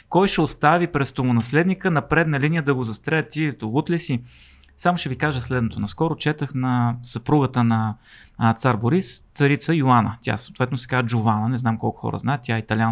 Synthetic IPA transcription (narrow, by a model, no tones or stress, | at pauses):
kɔjʃɛost̪avipɾɛst̪omʊnɐslɛd̪nikənɐpɾɛd̪nɐlinijəd̪ɐɡozɐst̪ɾɛət̪ːilit̪olˠut̪lisi | samʊʃɛvikaʒəslɛd̪not̪onɐskɔɾʊt͡ʃɛt̪əxnɐsɐpɾuɡət̪ənɐ | t̪saɾboɾist̪sɐɾit̪səjoanə̰t̪ʲa̰sɐot̪vɛt̪nosɛ̥kad͡ʒʊvanənɛznamkɔ̰lˠkʊ̥xɔ̰ɾə̰znaɛt̪t̪ːʲaɛit̪ɐlʲa